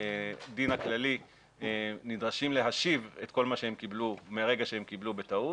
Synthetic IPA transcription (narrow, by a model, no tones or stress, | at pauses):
d̪inhaklali | enidʁaʃimle̞ɦaʃive̞t̪ko̞lmaʃeemkiblumeʁe̞ɡaʃeemkiblube̞t̪au